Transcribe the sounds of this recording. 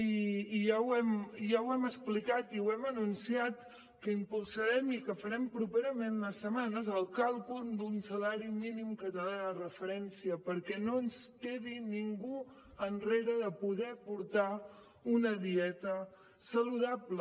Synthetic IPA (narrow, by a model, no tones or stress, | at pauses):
iːʒawɛmʒawɛməsplikat̪iwɛmənunsiat̪ | kəimpulˠsəɾɛmikəfəɾɛmpɾupeɾəmenləsːəmanəzəlˠkalˠkumd̪unsəlaɾiminimkət̪əlaðərəfəɾɛnsiəpəɾkɛnoənskeðiniŋɡu | ənreɾəðəpuðɛpuɾt̪a | unəðiɛt̪ə | səluðaplə